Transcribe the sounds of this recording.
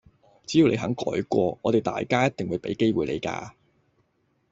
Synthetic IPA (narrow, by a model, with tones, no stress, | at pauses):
t͡siː˨˥ji˨˧wle˨˧jɦɐ̰˨˥ŋkɔ̰ː˨˥jkʷɔː˧ŋɔː˨˧t̪e˨jt̪a̰ː˨jkaː˥jɐ˥t̪̚ɪ˨ŋwuː˨˧jpe˨˥jke˥jwuː˨˩jlḛ˨˧jka̰ː˧